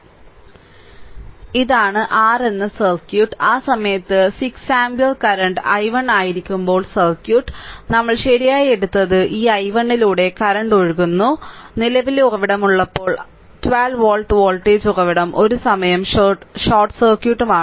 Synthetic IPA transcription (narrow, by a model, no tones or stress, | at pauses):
iðaːɳɨʔaːre̞nːɨsɐrkjuːʈːaːsɐmɐjɐt̪ːɨsiksaːmbjɐlkɐɾɐɳɖɐjʋɐɳɖaːjiɾikʲːumbo̞ːɭsɐrkjuːʈːnɐmːɐɭɕɐɾijaːje̞ɽut̪ːɐðɨʔiːɐjʋɐɳɖiluːɽe̞kɐɾɐɳɖo̞ɻuɣunːunilɐʋiluɣɐʋiɽɐmuɭːɐpːo̞ːɭ | tʋaːlʋoːɭʈʋoːɭʈeːd͡ʑurɐʋiɽɐmʔo̞ɾusɐmɐjɐmɕoːrʈːsɐrkjuːʈːumaː